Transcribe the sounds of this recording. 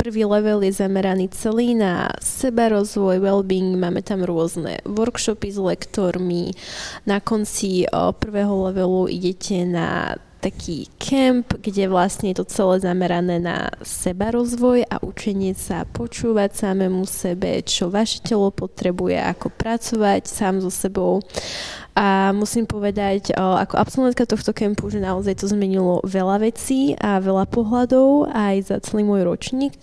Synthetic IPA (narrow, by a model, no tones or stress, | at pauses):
pr̩ʋiːlɛʋɛljɛzamɛɾaniːt͡sɛliːna̰sɛbaɾɔzʋɔjʋɛlbiŋɡmaːmɛt̪amɾʊɔznɛ̰ʋɔɾkʃɔpizlɛkt̪ɔɾminakɔnt͡sipr̩ʋɛːɦɔlɛʋɛluʔḭɟɛcʰɛna̰t̪akʰiːkʰɛmpɡɟɛʋlasɲɛjɛt̪ɔt͡sɛlɛːzamɛɾanɛːna̰sɛbaɾɔzʋɔja̰ʔut͡ʃɛɲɪɛsa̰pɔt͡ʃuːʋacsamɛːmusɛbɛ̰t͡ʃɔʋaʃɛ̥cɛlɔpɔt̪ɾɛbujɛ̰ʔa̰kɔpɾat͡sɔʋacsaːmzɔsɛbɔʊ | amusiːmpɔʋɛd̪aca̰kɔʔapsɔlˠʋɛnt̪̚kat̪ɔxt̪ɔkɛmpuʒɛnaɔzajt̪ɔzmɛɲilɔ̰ʋɛlaʋɛt͡siːaʋɛlapɔɦlad̪ɔʊajza̰t͡sɛliːmʊɔjɾɔt͡ʃɲiːk